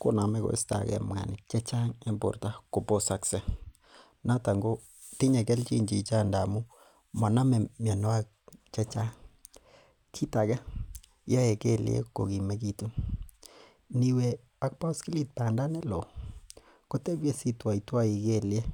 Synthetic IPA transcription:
ko̰˦na˨mɛ˦ko̰˨ɪ̰˦sta̰˨kɛ̰˦mwa̰˨nɪ̰˨t͡ʃɛ˦t͡ʃa˦ŋɛ˦mbo̰˨ɾta˦ko˨po˦sa˦ksɛ˦ | na˦ta˨ŋɡo˦ | ti˦ɲɛ˨kɛ˦lt͡ʃḭ˦˨ɲd͡ʒi˨t͡ʃa˦nda˨mu˦ | ma˨na˦mɛ˨mja˨no˦a˦k̚t͡ʃɛ˦t͡ʃa˦ŋ | kʰi˦ta˨ɡɛ˦ | ja˦e˨ke˦ljḛ˦ko̰˨ki˨mɛ˦ki˦tu˦ | ni˨we˨ | a˦k̚pɔ˦ski˦li˦˨t̚pa˨nda˦nɛ˦lo˨ | ko˦te˦bje˦si˦twa˨i˨twa˦i˨ke˦˨lje˦

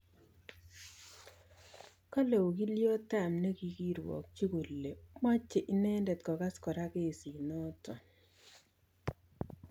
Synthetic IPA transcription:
ka˦le˨u˨ki˦ljo˦ta˦˨mne˦ki˦ki˦ɾwɔ̰˨k̚t͡ʃi˦ku˨lːe˨mɔ˦t͡ʃːe˨ʔɪ˦nɛ˦ndɛ˨tkɔ˨ɡa˦skɔ˨ɾa˦ke˦˨si˨nɔ˦tɔ˨

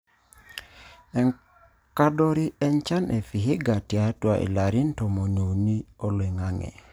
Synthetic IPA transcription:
ɛ˨ŋ | ka˦do˦ɾi˦ɛ˦nt͡ʃa˦nʔe˨fi˨ɦɪ˦ɡa˨tja˦twa˨ʔḭ˨la˨ɾi˦nto˨mo˨no˨ni˦o˦le˨ŋa˦ŋɛ̰˨

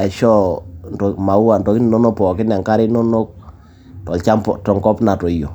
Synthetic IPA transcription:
a˨ʃɔ˦ntɔ˨ma˨u˦a˨ntɔ˨kɪ˦ni˨nɔ˦no˦pɔ˨kɪ˦na˨ŋka˦ɾɪ˦nɔ˦no˦k̚ | tɔ˨lt͡ʃa˦pɔ̰˨tɔ˨ŋkɔ˦pna˨to˨jo˨

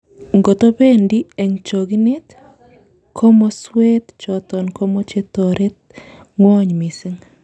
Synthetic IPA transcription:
ŋɡo˨t̪o˦be˦ndi˦e˨ŋt͡ʃo˨ɡi˦ne˦t̪ | kʰo˦mɔ˦swe˦t̪t͡ʃɔt̪ɔ˨nko˦mo˦t͡ʃe˦t̪ɔ˨ɾe˦t̪̚ | ŋwɔ˦ɲmɪ˨sɪ˦ŋ

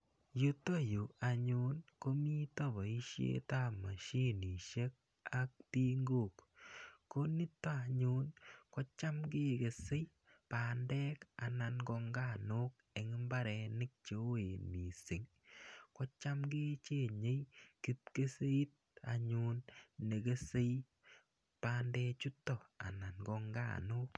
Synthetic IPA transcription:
jo˦to˦ju˨a˨ɲu˦nko˦mi˦to˦bɔ˨i˦ʃjḛ˦ta˦ma˨ʃi˦ni˨ʃe˦k̚ | a˨k̚ti˦ŋɡo˦˨kko˦nɪ˦tːa˦a˨ɲʊ˦nkɔ˦t͡ʃa˦mke˦ke˨se˦j | paː˨ndɛ˦ka˨na˧nɡɔ˧ŋɡa˦˨no˦k̚e˨ŋɪ˦mba˦ɾɛ˨˧nɪ˦k̚t͡ʃe˨˦o˦e˨nmi˨sɪ˨ŋ | kɔ˦t͡ʃa˦mɡe˦t͡ʃe˦˨ɲe˦jki˦t̚ke˦se˦i˦t̚a̰˨ɲu˦nːe˨ke˦se˦j | paː˦ndɛ˦t͡ʃu˦tːɔ˨a̰˨na˨nɡɔ˧ŋɡa̰˦˨nʊ˦k̚

